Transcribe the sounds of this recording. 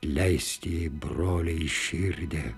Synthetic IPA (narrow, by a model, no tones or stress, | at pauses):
lʲɛɪsʲt̪ʲiːbroːlʲɛɪʃʲɪɾʲd̪ʲe